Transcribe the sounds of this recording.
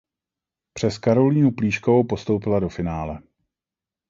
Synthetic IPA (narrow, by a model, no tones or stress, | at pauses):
pr̥ɛskaɾo̞liːnupliːʃkovowpo̞st̪o̞wpɪlado̞fɪnaːlɛ